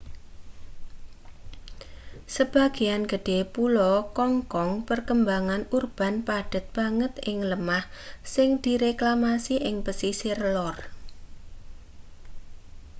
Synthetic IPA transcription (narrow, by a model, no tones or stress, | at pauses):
səb̥a̤ɡ̥eanɡ̥ə̤ɖ̥e̤pulɔkɔŋkɔŋpərkəmbaŋanurb̥a̤npaɖ̥ə̤t̪̚b̥aŋət̪ɪŋləmahsɪŋd̪̥iɾeklamasiʔɪŋpəsisirlɔr